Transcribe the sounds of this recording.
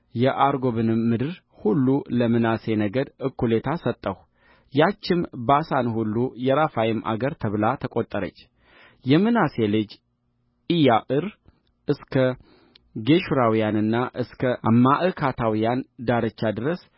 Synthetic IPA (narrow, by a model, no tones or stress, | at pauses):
jɛʔaɾɡo̞βɨnɨmːɨd̪ɨɾ | hulːuləmɨnase̞nəɡəd̪ɨkːule̞t̪ʰasət̪ʼːəh | jat͡ʃːɪmbasanhulːujɛɾafajɪmʔa̰ɡəɾt̪ʰəβlat̪ʰəkʼot̪ʼːəɾə̰t͡ʃː | jɛmɨnase̞lɨd͡ʒ | ʔijaʔɨɾ | ʔɨskʰə | ɡe̞ʃuɾawijanɨnːaʔɨskʰəamːaʔɨkʰat̪ʰawijand̪aɾət͡ʃːad̪ɨɾəs